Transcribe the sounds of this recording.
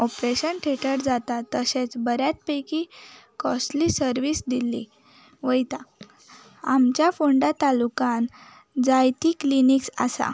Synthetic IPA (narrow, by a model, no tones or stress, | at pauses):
ɔpɾeɕənʈʰeʈəʈd͡zat̪at̪əsẽt͡sbəɾjat̪̚pəjkikɔsʈlisəɾʋisd̪ilːḭ | ʋəjt̪a | amt͡ɕjafuɳɖat̪alukãn | d͡zajt̪ikliniksa̰sa̰